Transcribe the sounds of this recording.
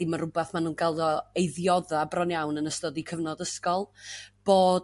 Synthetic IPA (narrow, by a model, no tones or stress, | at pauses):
imarʊbaθmanuːnɡalˠdɔejðjɔðabrɔnjawnənəstɔdikʰəvnɔdəskɔlˠb̥oː